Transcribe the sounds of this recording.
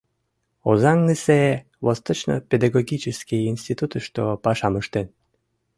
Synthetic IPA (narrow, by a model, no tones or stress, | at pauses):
ozɑŋnise | βost̪ot͡ɕno̰pʲed̪ɑɣoɡʲit͡ɕəskiinst̪it̪ut̪əʃt̪opɑʃɑməʃt̪en